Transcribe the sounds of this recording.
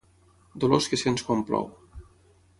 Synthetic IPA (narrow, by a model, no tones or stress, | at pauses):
d̪oloskesenskomplɔ̰w